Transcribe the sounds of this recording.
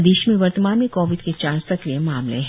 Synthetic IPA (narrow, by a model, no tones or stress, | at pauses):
d̪eːʃmẽʋɐɾt̪əmaːnmikɔːʋɪd̪ket͡ʃaːɾsɐkɾijemaːmlḛ̃ɦ